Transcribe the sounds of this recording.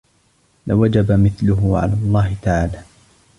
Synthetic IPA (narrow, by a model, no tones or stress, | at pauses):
lɪwad͡ʒabamɪθlʊɦʊʕa̰laːlˤːɑːhɪt̪aʕaːlaː